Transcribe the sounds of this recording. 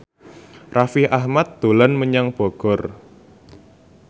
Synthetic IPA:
rafɪhʔahmat̪̚ːd̪̥o̤lanməɲaŋb̥ɔɡ̥ɔ̤r

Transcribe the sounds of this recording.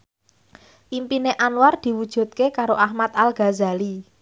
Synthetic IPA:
ʔimpineʔanward̪̥i̤wud̥ʒ̥ṳt̪̚kekaɾoʔahmat̪alɡ̥a̤za̤li

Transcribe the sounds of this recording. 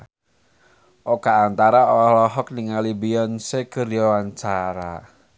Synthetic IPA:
ʔokaːnt̪aɾaɔlɔhlɔɦɔk̚niŋalibiɔnsekərjɔwaɲt͡ʃaɾa

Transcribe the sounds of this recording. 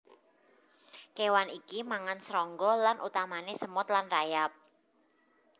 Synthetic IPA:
kewanikimaŋansɾɔŋɡɔlanʔṵt̪amanesəmʊt̪lanrajap̚

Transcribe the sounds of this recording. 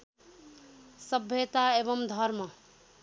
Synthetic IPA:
sʌbʱjet̪aebʌmd̪ʱʌrmʌ

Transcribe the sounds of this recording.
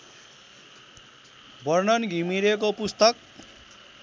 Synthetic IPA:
bʌrnʌnɡʱimiɾek̬opust̪ʌk̚

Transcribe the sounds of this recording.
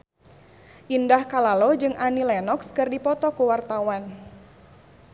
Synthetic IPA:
ʔindahkalalod͡ʒɨŋʔanilɛnɔkskɨrdipɔt̪ɔkuwart̪awan

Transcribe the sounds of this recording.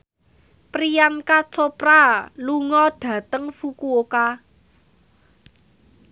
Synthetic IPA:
pɾijankat͡ʃopɾaluŋɔɖ̥ä̤t̪əŋfukuoka

